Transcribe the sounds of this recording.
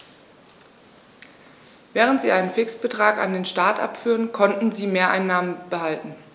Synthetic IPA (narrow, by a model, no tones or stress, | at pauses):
vɛːʁ̞əntz̥iːʔaɪnənfɪksb̥ətʁ̥aːka̰ndeːnʃtaːtʔa̰pfyːʁənkʰɔntn̩ziːmeːɐʔaɪnːaːmənb̥əhaltn̩